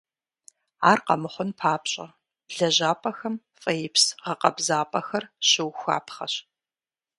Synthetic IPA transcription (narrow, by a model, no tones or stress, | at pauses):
aːrqɐ̰mɨχʷʊnpʰaːpɕʼɐ | ɮɐʑaːpʼɐxɐm | fʼɐjɪpsʁɐqɐbzaːpʼɐxɐrɕɪwxʷa̰ːpχɐɕ